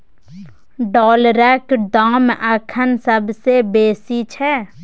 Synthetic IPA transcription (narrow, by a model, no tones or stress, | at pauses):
ɖɔːlɾɛkdaːməkʰənsəbsebeːsit͡ʃʰɛ